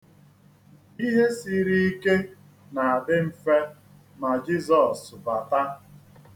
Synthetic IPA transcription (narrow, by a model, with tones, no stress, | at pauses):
i˦ɦe˦si˦ɾi˦i˦ke˦ | na˨a˨dɪ˦m̩˨fe˦ | ma˨d͡ʒi˦zɔ˨sba˨ta˦